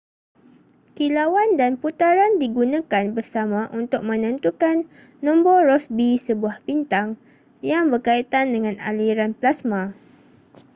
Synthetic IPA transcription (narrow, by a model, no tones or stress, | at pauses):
kilawandanput̪aɾandiɡunãkanbərsamãʔunt̪ʊk̚mə̃nə̃nt̪ukanː | ɔ̃mbɔɾɔsbisəbuahpint̪aŋ | jaŋbərkait̪andəŋãna̰liɾanplasmã